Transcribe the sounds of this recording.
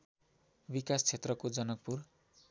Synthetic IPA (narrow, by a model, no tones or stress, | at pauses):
bikast͡sʰet̪rʌkod͡zʌnʌk̚pur